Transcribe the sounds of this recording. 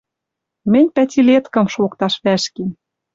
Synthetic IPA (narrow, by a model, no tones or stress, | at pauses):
mɘ̆nʲpæt̪ʲilet̪kɤ̆mʃokt̪ɑʃβæʃke